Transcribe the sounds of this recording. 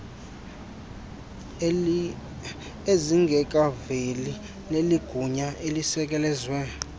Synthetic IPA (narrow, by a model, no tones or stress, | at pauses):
eziŋɡʱɛkʼaveli | leliɡ̥ʱuɲaʔelisɛk̬ʼɛlɛzwɛ